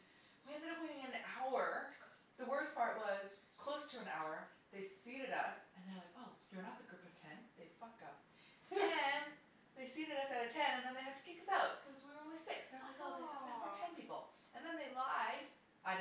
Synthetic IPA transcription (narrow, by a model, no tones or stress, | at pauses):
wiɛ̃ndɨɾʌpwĩnɪ̃ŋɨ̃nʔaʊə˞ | ðəwɜ˞spʰɑɹʔwʌz̥ | kʰl̥oʊstʰɨɨ̃na̰ʊə˞ | ðeɪsiɾɨɾʌ̰sɨ̃nðeɪlaɪkoʊjə˞nət̪̚ðɨɡɹupʌv̥tʰɛ̃nðeɪ̥fʌk̚ʌp̚ | ɨ̃n | ðeɪsiɾɨɾʌsɨɾɨtʰɛ̃nɨ̃nðɨ̃nðeɪhɨd̚tʰɨ̥kɪkʌsaʊt̚kʰʌzwiwəõʊ̃nlisɪksnðə˞laɪkoʊðɪszɛ̃fə˞tʰɛ̃npipl̩ˠ | ɨ̃nðɨ̃nðeɪlaɪd | ʔaɪ